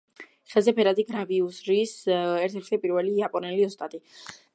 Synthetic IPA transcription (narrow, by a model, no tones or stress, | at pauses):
χɛlˠzɛpʰɛɾad̪iɡɾaviusɾisɛɾt̪ʰɛɾt̪ʰɛpʼiɾvɛliapʼɔnɛliɔst̪ʼat̪ʼi